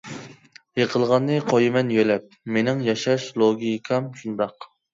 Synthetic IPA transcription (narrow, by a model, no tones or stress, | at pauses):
jeqʰəlˠʁɑnːɨqʰojɨmɛnjølɛp̚menɪŋjɑʃɑʃlˠoɡʲijkʰɑmʃund̪ɑq